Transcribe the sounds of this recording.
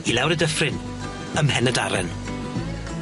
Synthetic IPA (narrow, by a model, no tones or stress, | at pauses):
ilɛwɾədəfrɪn | əmhɛnəda̰ɾɛ̰n